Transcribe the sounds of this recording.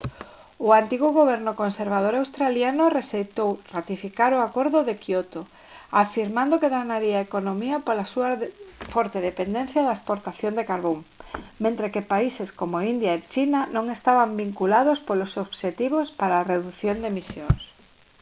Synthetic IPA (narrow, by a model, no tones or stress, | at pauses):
ʊant̪iɣʊɣoβ̞ɛɾnʊkonseɾβað̞oɾawst̪ɾaljanʊresejt̪owrat̪ifikaɾoakoɾðʊðekiot̪o | afiɾmãnd̪okeɣanaɾiaekonomiɐpolasuafɔɾt̪eðepend̪ẽn̟θjaðaespoɾt̪aθjond̪ekaɾβoŋmẽnt̪ɾekepaiseskomoind̪jaet͡ʃinanõŋest̪aβambiŋkulaðospolosoβʃet̪iβ̞ospaɾaːreðuθjond̪emisjoŋs